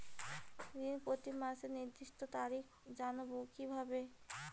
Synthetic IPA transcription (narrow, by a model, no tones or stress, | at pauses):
d̪inpot̪imaʃeniɾd̪iʃʈ̪ot̪aɾik | d͡ʑanobokibʱabe